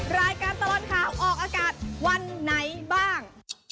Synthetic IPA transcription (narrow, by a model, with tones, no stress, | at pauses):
ɾaː˧jkaː˧nt̪a˧lɔː˨˩t̪̚kʰaː˨˩wʔɔː˨˩k̚ʔaː˧kaː˨˩t̪̚wa˧nːa˨˦˥jbaː˥˩ŋ